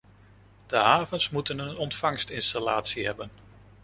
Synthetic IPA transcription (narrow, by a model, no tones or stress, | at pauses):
d̥əɦaːvənsmutənənɔntfɑŋstɪnstalaːtsiɦɛbən